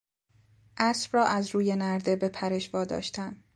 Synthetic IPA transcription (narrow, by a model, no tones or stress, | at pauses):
ʔæsb̥ɾɒːʔæzɾuːje̞næɾd̪e̞be̞pʰæɾe̞ʃvɒːd̪ɒ̰ːʃt̪ʰænd̪